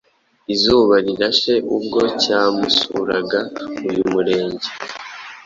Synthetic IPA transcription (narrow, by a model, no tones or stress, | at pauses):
izuːβaɾiɾaʃe̞ʔub̚ɡo̞caːmusuɾaɡaujumuɾe̞ːɲɟe